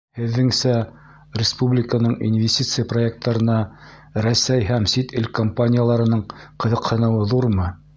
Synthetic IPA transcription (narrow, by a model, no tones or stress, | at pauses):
hɘ̆ðːɘŋsæ | rʲɪspublʲɪkənɤɴḭnvʲɪsʲtʲit̪sɨjəproek̚t̪ːɑɾɤ̆nɑ | ɾæsæjɦæmsit̪ɘlʲkompanʲɪjalˠɑɾɤ̆nɤɴqɤ̆ðɤ̆qhɤ̆nɤ̆wɤðuɾmɤ